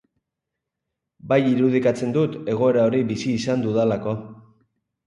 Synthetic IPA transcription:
bajiɾuð̞ikat͡se̞nd̪ut̪e̞ɣ̞o̞e̞ɾao̞ɾiβisiːsand̪uðalako̞

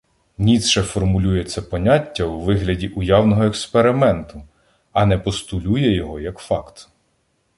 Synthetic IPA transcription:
nʲit̪ʃɛfɔrmʊlʲujet͡sʲːɐpɔnʲatʲːɐwʋɪɦlʲɐdʲiʔʊjɑwnɔɦɔekspeɾɪmɛnt̪ʊ | ɐnɛpɔst̪ʊlʲujɛjɔɦɔjɐkfɑkt̪

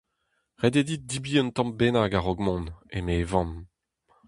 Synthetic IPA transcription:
ʁed̪ed̪it̚d̪ibiːɔ̃nt̪ɑ̃mbenaɡaʁɔɡmɔ̃nemevɑ̃n

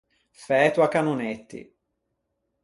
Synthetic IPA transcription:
fɛːt̪wakanunet̪ːḭ

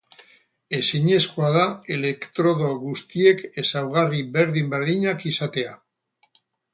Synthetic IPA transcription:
e̞siɲe̞skoaðae̞le̞kt̪ɾo̞ðo̞ɣust̪ie̞ke̞sawɣ̞ariβe̞ɾðimbe̞ɾðiɲakisat̪e̞a

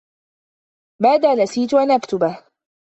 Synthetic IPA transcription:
maːd̪aːnasiːt̪ʊʔanʔakt̪ʊbah

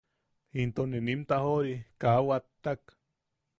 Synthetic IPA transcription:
int̪oninimt̪ahoɾikawat̪ːak

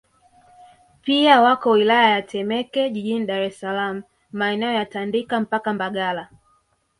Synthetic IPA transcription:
piawakɔwilajajatʰɛmɛkɛʄiʄiniɗaɾɛsalamu | maɛnɛɔjatandikam̩pakambaɠala

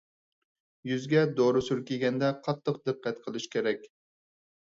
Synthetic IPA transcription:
jyzɡʲɛd̪oɾʊsyɾkʲʰeɡʲɛnd̪ɛqʰɑt̪ʰːəq̚d̪ɨqːɛt̪qʰəlˠɨʃkʲʰeɾɛkʲ

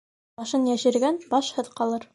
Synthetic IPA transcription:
ɑʃɤnjæʃɘ̆ɾɡænbɑʃhɤðqɑlˠɤɾ

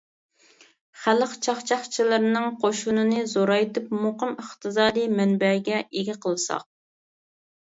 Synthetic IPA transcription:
χæləqt͡ʃʰɑχt͡ʃʰɑχt͡ʃʰilˠɨɾnɨŋqʰoʃunɨnɨzoɾɑjt̪ʰɨpmoqəməχt̪ʰɨzɑːd̪ijmɛnbɛɡʲɛʔeɡʲiqʰəlˠɨsɑ̰q̚

